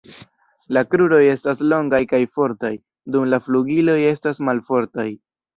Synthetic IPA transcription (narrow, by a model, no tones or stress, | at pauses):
lakɾuɾo̞je̞staslo̞ŋɡajkajfo̞ɾtaj | dumlafluɡilo̞je̞stasmalfo̞ɾtaj